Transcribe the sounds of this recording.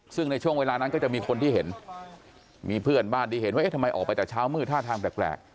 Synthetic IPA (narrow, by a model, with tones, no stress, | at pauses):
sɯ˥˩ŋna˧jt͡ɕʰu˥˩əŋweː˧laː˧na˦˥nkɔː˥˩t͡ɕa˨˩ʔmiː˧kʰo˧nt̪ʰiː˥˩ɦe˩˦n | miː˧pʰɯ˥˩ənbaː˥˩nd̪iː˧˩ɦe˩˦nwa˥ʔe˦˥˩tʰa˧mːa˧jʔɔː˨˩pa˧jt͡ɕaː˨˩t͡ɕʰaː˦˥wmɯː˥˩t̪ʰaː˥˩t̪ʰaː˧ŋplɛː˨˩plɛ̰ː˨˩k̚